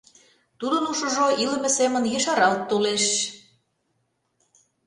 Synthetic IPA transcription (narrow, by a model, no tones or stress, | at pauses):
t̪ud̪ə̆nuʃə̆ʒoʔilə̆mĕsemə̆njəʃɑɾɑlt̪ːoleʃ